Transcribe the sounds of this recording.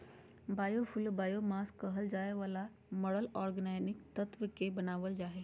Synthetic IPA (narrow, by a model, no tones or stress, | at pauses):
baːjopʰʊlbaːjomaːskɐɦəld͡ʒaːeʋaːla | mɔɽəlɔːɾɡənaːnɪk̚t̪ɐt̪ʋəkebɐnaːʋəld͡ʒaːɦeː